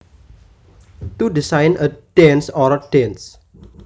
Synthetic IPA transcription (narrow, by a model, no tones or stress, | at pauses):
tudisãjnətɛ̃nsɔɾətɛ̃ns